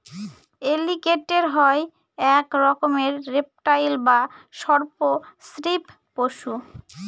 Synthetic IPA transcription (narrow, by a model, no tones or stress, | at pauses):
elikeʈeɾɦɔe | ɛkɾɔkomeɾːep̚ʈajlbaʃɔɾposɾipːoʃu